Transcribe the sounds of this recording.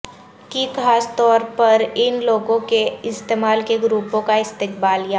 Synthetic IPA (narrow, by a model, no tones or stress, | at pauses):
kikaːst̪ɔːɾpɐɾɪnloːɡõkeɪst̪eːmaːlkeɡɾuːpõkaɪst̪ɪk̚baːlijaː